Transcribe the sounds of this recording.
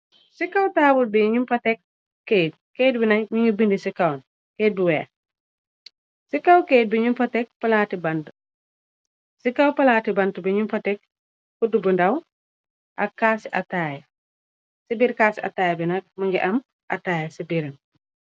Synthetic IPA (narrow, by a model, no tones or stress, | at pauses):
sikɐwtaːbulbiɲumpɐtɛk̚ː | et̚keːt̚binɐmiɲibindisikɐwn | keːt̚biwɛ | sikawkeːt̚biɲumpɐtɛk̚pɐlaːtibɐntu | sikawpɐlaːtibɐntubiɲumpɐtɛk̚ | kudubindɐw | ʔɐ̰kːaːsiʔɐ̰taːjɛ | sibiɾkaːsiɐ̰taːjbinɐk̚mɐŋɡiʔɐm | ʔɐ̰taːjesibiɾɐn